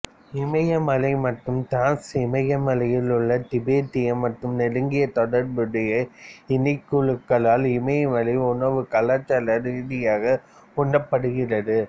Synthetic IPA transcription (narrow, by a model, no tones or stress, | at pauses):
ɪmɐjɐmɐlɐɪmɐʈːɯmt̪aːnsɪmɐjɐmɐlɐjɪlɯɭːɐt̪ɪbeːt̪ɪjɐmːɐʈːɯmnɛɽɯŋɡɪjɐt̪ɔɽɐɾbɯɽɐjɐɪnɪɪkːɯɻɯkːɐɭaːlɪmɐjɐmɐlɐɪʊɳɐʋɯkɐlɐt͡ʃːɐlɐɾiːðɪjaːɣɐ | kɔɳɖɐpːɐɽɯɣɪrɐðɯ